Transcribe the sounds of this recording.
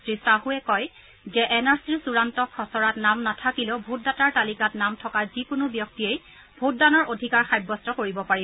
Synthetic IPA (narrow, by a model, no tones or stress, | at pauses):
tɹisaɦuɛkɔj | zɛʔɛnaɹsiɹsuɹantɔkʰːɔsɔɹatnamnatʰakilɛʊbʱut̚dataɹtalikatnamtʰɔkazikʊnʊbjɔk̚tiej | bʱut̚danɔɹodʱikaɹxajbːɔstɔkoɹibɔpaɹi